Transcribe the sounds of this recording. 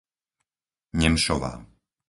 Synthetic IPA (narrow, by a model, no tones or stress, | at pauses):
ɲɛmʃɔʋa̰ː